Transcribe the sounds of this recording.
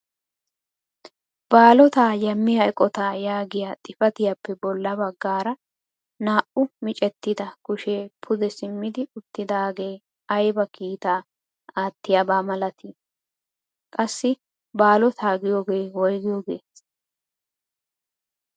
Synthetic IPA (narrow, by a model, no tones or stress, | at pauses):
baːlɔt̪aːjɐmːɪjɐɛkʼɔt̪aːjaːɡɪjat̪ʼɪfɐt̪ɪjapːɛbɔlːɐbɐɡːaːɾɐ | naːʔʊmɪt͡ʃʼɛt̪ːɪd̪ɐkʊʃeːpʰʊd̪ɛsɪmːɪd̪ɪʊt̪ːɪd̪aːɡe̞ː | ɐjbɐkiːt̪aː | aːt̪ːɪjabaːmɐlɐt̪i | kʼɐsːɪ | baːlɔt̪ʰaːɡɪjo̞ːɡeːwɔjɡɪjoːɡe̞ːs